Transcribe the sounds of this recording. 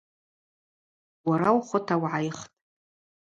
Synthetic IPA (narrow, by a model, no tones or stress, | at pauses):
waɾawχʷʊtʰawʕajχtʼ